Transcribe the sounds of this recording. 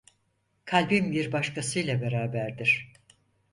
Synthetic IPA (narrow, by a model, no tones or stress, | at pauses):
kʰalʲbimbiɾbaʃkʰasɯjlˠabeɾaːbæɾd̪iɾ̥